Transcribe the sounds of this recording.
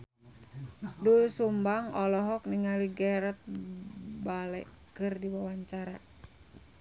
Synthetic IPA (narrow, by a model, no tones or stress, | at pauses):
dusumbaŋɔlɔɦɔk̚niŋaliɡɛɾɛt̪̚ | balɛ̰ | kɨrdiwawaɲt͡ʃaɾa